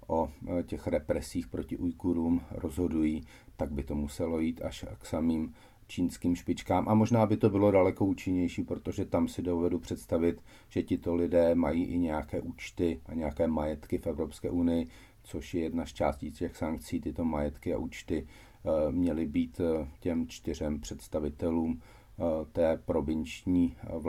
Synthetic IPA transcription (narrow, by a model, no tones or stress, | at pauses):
ʔo̞cɛxɾɛpɾɛsiːxpɾo̞cɪʔujkuɾuːmɾo̞zɦo̞dujiː | t̪aɡ̚bɪt̪o̞musɛlo̞jiːt̪aʃksamiːm | t͡ʃiːnskiːmʃpɪt͡ʃkaːmʔamo̞ʒnaːbɪt̪o̞bɪlo̞dalɛko̞ʔuːt͡ʃɪɲɛjʃiːpɾot̪o̞ʒɛt̪amsɪdo̞vɛdupr̝̥ɛt̪st̪avɪt̪ | ʒ̥ɛcɪt̪o̞lɪdɛːmajiːʔɪɲɛjakɛːʔuːt͡ʃt̪ɪaɲɛjakɛːmajɛt̪kɪfɛvɾopskɛ̰ːʔunɪjɪ | t͡so̞ʃjɛjɛdnast͡ʃa̰ːsciːscɛxsaŋk̚t͡siːt̪ɪt̪o̞majɛt̪kɪa̰ʔuːt͡ʃt̪ɪ | mɲɛlɪbiːt̪cɛmt͡ʃt̪ɪr̝ɛmpr̝̥ɛt̪st̪avɪt̪ɛluːm | t̪ɛːpɾo̞vɪnt͡ʃɲiːv